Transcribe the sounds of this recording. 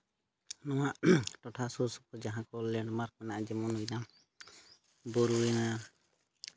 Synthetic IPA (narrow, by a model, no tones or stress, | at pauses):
nɔwaʔʈɔʈʰasɔsɔ̥pɔd͡ʒaɦãkɔlɛɳɖmaɾk̚mɛnaʔd͡ʒɛmɔnujna | bɔɾuɛna